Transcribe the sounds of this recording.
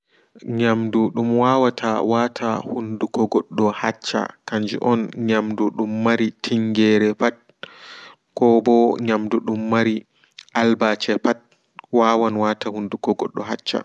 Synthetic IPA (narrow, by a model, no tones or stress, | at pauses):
ɲamduɗumwawatʰawatʰahundukɔɡɔɗːɔhat͡ʃːa̰kaɲd͡ʒḭʔɔnɲamduɗumːaɾitʰiŋɡɛɾɛpat̚ | kɔbɔɲamduɗumːaɾi | ʔalbat͡ʃɛpat̚ | waːwanwatahundukɔɡɔɗːɔɦat͡ʃːa̰